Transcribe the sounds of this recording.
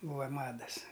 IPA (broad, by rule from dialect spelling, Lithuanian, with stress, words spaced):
ˈbuːʋɐ ˈmɑːdɐs